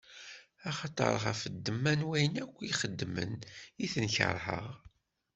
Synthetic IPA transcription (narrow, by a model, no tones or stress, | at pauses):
ɑχɑt̪ˤə̰ɾˤəʁæfəd̪ːəmːænwæjənækʷːiχəd̪ːmə̰niθənçə̰ɾˤhə̰ʁ